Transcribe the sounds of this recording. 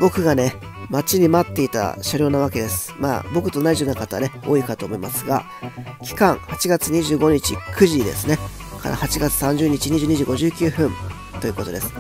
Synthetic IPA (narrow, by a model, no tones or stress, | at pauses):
bo̞kɯ̟ɡane̞ | mat͡ɕiɲ̟imat̪ːe̞it̪a̰ɕaɾʲo̞ːnaβake̞d̪e̞sɨ̥ma̰ːbo̞kɯ̟̥t̪o̞naiʑionakat̪aβa̰ne̞o̞̰ːikat̪oːmo̞imasɨɡa̰ | kʲi̥kãŋ̃hat͡ɕiɡat͡sɨɲ̟iʑɨːɡo̞ɲ̟it͡ɕḭkʰɯ̟ʑid̪e̞̰sɨne | kʰa̰ɾa̰hat͡ɕiɡat͡sɨ̥sãɲ̟d͡ʑɨːɲ̟it͡ɕiɲ̟iʑɨːɲ̟iʑɨːɡo̞ʑɨːkʲɨːɸɯ̟̃n | t̪o̞jɯ̟ːko̞t̪o̞d̪e̞sɨ̥